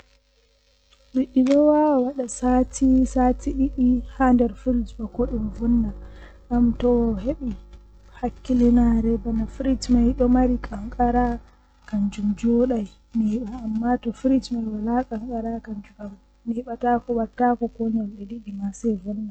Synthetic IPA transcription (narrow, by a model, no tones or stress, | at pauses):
ɗiɗːiɗɔwawaɗasatʰisatiɗiɗihandɛɾfiɾid͡ʒbakɔɗumvunːa | ʔamtɔɦeɓi | hakːilɛnaɾɛbanafiɾitmajɗɔmaɾikʼaŋkʼaɾa | kaɲd͡ʒumd͡ʒɔɗaj | nɛɓaːmːatɔfɾitmajwalakʼaŋkʼaɾakand͡ʒukam | nɛɓatakɔwatːakɔkɔɲɔlɗɛɗiɗimasɛjvunːa